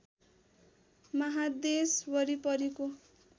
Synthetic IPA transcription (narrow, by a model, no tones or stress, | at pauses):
mʌɦad̪esbʌɾipʌɾiko